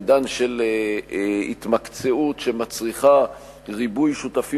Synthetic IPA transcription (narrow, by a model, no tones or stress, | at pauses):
d̪anʃel | ḭt̪makt͡seutʃe̞mat͡sʁiχa | ʁibujʃutafi